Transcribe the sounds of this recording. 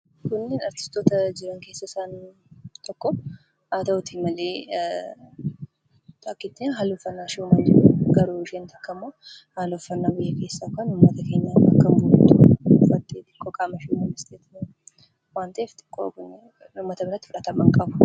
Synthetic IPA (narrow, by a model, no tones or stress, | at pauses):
kʊnːeːnɐɾt̪ɪ̥st̪oːt̪ɐd͡ʒɪɾɐŋke̞ːsːɐsaːn | t̪ʰɔkːɔ | aːt̪ɐʊt̪imɐleː | t̪akːɪt̪ːeɦaːlɔfːɐnːaːʃumɐnt̪ʊɾuɡɐɾuːɪʃeːnt̪ɐkːɐmːoː | haːlɔfːɐnːabɪjːɐke̞ːsːakɐnʊmːɐt̪ɐke̞ːɲːɐɐ̰kːɐmʊnt̪ʊfɐt̪ʼːeːt̪ʼɪkːɔkʼaːmɐʃumɐnɪst̪ʰeːt̪ | waːnt̪ɐʔeft̪ʼɪ̥kːo̰kʊn | ʊmːɐt̪ɐbɪɾɐt̪ːɪfʊɾɐt̪ɐmɐŋkʼɐbʊ̥